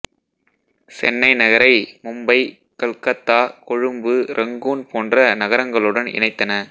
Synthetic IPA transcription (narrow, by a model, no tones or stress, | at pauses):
sɛ̰nːɐɪnɐɣɐɾɐɪmʊmbɐɪ | kɐɭkɐt̪ːaːkɔɻɯmbɯɾʔɐŋɡuːnpʰoːndrɐnɐɣɐɾɐŋɡɐɭɯɽɐnɪ̰ɳɐɪt̪ːɐnɐ